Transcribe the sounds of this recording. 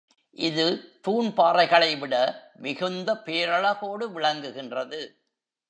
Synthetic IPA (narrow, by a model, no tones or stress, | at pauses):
ʔɪðɯt̪uːnpaːɾɐɪɣɐɭɐɪʋɪɽɐ | mɪɣɯnd̪ɐpeːɾɐɭɐɣoːɽɯʋɪɭɐŋɡɯɣɪndrɐðɯ